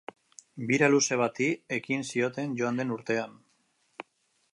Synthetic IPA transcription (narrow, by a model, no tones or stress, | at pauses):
biɾaluse̞β̞at̪ie̞kinsio̞t̪e̞nʝo̞and̪e̞nuɾt̪e̞an